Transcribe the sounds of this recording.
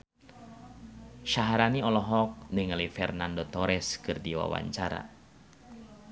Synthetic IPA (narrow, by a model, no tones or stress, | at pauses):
ʃaɦaɾaniɔlɔɦɔk̚nɨŋalifɛrnandɔt̪ɔɾɛskɨrdiwa̰wa̰ɲt͡ʃaɾa̰